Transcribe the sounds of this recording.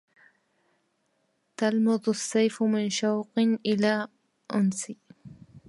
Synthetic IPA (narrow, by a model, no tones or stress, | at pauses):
t̪almɑd̪ˤʊsːajfʊmɪnʃawqɨnʔɪlaː | ʔʊnsɪ